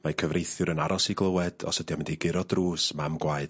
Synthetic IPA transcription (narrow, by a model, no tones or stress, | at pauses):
makʰəvrejθjʊɾənaɾɔsiɡlˠəwɛd̥ɔ̰sədjɔmɪndiɡɪɾɔdruːsmamɡwaɨd̥